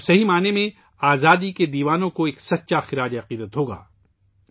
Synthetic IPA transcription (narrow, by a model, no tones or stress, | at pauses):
sɐɦimaːnemẽ | aːzaːd̪iked̪iːʋaːnõkoeːksɐt̪ːʃaxɪɾaːd͡ʒɐqiːd̪ət̪ɦoːɡa̰ː